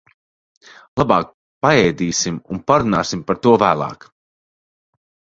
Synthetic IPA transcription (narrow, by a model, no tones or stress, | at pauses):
lˠabɑːk̚ | paɛjd̪iːsimunpaɾuna̰ːsimpaɾt̪uɔvæːlˠɑ̰ːk